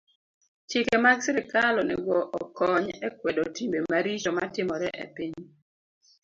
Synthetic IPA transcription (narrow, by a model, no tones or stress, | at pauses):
t͡ʃikemaɡsɪɾɪkalɔnɛ̰ɡwɔʔɔkʰɔɲɛkwɛdotimbemaɾit͡ʃɔmatɪmɔɾɛʔḛpiɲ